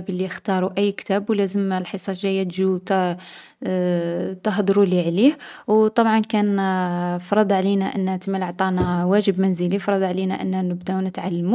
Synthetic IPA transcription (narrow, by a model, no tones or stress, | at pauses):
bəlːixt̪ɑɾˤuʔəjːkt̪æbwlæzəmlħəsˤɑʒæjːæt̪ʒut̪ | t̪əɦd̪ˤɾuliʕlihwt̪ˤɑbʕɑnkæn | fɾˤɑd̪ˤʕlinæʔənːhæt̪əmːəlʕt̪ˤɑnæwæʒəbmænzəlifɾˤɑd̪ˤʕlinæ̰ʔə̰nːænəbd̪ænət̪ʕalːmu